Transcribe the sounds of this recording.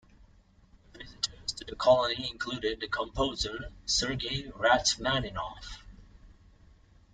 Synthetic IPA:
vɪzɨɾə˞z̥tʰɨðɨkʰɑlˠəniɪ̃nkʰl̥ʉɾɪd̪̚ðɨkʰə̃mpʰoʊzə˞sɜ˞ɡiɹætmænɪnɔ̰f

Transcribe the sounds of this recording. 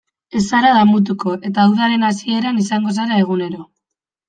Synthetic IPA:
e̞saɾaðamut̪̬uko̞ʔe̞t̪aːwðaɾe̞nasie̞ɾanisaŋɡo̞s̬aɾae̞ɣ̞une̞ɾo̞

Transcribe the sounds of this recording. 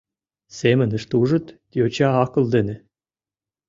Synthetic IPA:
semɘ̆nə̆ʃt̪uʒɤ̆t̪t̪ʲiot͡ɕɑɑkɤ̆lˠd̪ĕnɘ̆

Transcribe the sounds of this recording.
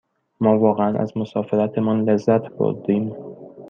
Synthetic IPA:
mɒːvɒːɣeænʔæ̰zmosɒːfe̞ɾæt̪ʰemɒːnlezːæt̪ʰbo̰ɾd̪iːm

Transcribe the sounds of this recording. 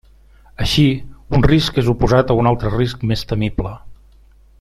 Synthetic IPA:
əʃiunriskezupuzat̪əunalˠt̪ɾəriskmest̪əmiblə

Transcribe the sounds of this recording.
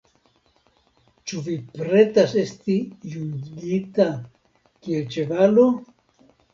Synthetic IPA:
t͡ʃuvipɾe̞t̪ase̞st̪ijuŋɡit̪a | kielt͡ʃevalo

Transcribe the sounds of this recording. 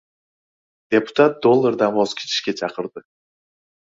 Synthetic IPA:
d̪̥ʲepʊ̥t̪at̪̚d̪o̞lˠːəɾd̪ɑnbozkʲʰi̥t͡ʃʰi̥ʃkʲe̞t͡ʃʰɑqəɾd̪ɨ

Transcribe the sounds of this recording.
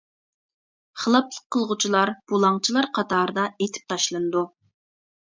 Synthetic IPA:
χəlˠɑplˠəqʰːəlˠʁut͡ʃʰilˠɑɾb̥ulˠɑŋt͡ʃʰilˠɑɾqʰɑt̪ʰɑːɾd̪ɑet̪ʰɪ̥p̚t̪ʰɑʃlˠɨnɨd̪u

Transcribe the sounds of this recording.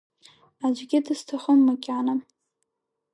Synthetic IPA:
ad͡ʒɡʲɪdɨstʰaχəmːakʲʼanam

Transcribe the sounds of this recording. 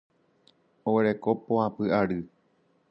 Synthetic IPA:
oweɾe̞ko̞põãpɨaɾɨ

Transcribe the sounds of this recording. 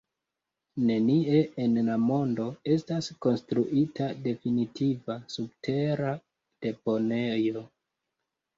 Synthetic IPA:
ne̞nie̞enlamo̞ndo̞e̞stasko̞nstɾuʔitʰade̞finitʰivasub̚tʰe̞ɾa | d̥e̞po̞ne̞jo̞

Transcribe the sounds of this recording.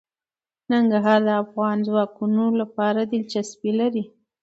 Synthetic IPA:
naŋɡaɦɑɾd̪əafɣɑnzwɑkunolapɑɾad̪ɪlt͡ʃaspilaɾi

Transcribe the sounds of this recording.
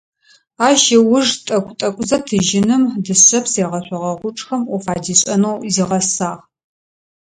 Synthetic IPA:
aːʃɐwʊʐtʼɐkʷʼtʼɐkʷʼʊzɐtʰɨʒɪnɨmdɨɕɐpʰseːʁɐɕʷʼɔʁɐʁʷʊʈ͡ʂʼxɐmufaːdiːɕʷʼɐnowziːʁɐsaːʁ

